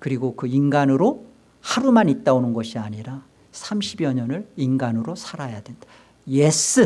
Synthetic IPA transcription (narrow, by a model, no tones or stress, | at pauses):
kɯɾiɡokɯinɡanɯɾo | haɾumanit̚t͈aonɯnɡʌɕʰiaɲiɾa | sʰamɕʰibjʌɲʌnɯɭinɡanɯɾosʰaɾajadwend̥ḁ | jes͈ʰɯ